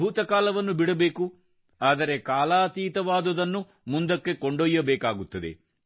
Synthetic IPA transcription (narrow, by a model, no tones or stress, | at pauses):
uːt̪ɐkaːlɐʋɐnːubiɽɐbe̞ːku | aːd̪ɐɾe̞kaːlaːt̪iːt̪ɐʋaːd̪ɐd̪ɐnːu | mund̪ɐkːe̞koɳɖoːjːɐbɛːkaːɡut̪ːɐd̪e̞̰